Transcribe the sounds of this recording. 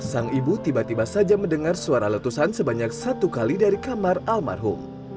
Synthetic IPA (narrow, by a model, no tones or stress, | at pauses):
saŋibut̪ibat̪ibasad͡ʒaməndəŋarsuaɾalət̪usansəbaɲak̚sat̪ukalidaɾikamaralma̰rɦum